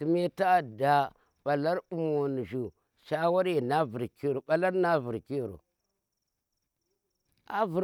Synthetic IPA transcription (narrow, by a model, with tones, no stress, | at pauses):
ki˨˦me˦ta˦˨da˨ | ɓa˨la˦ɾu˨mo˨n˨ʒu˨ | ʃa˦wa˦ɾe˨na˦vu˨ɾko˦ɾo˨ɓa˦la˦ɾna˦vu˨ɾki˦˨ɾo̰˨ | a̰˦vu˨ɾ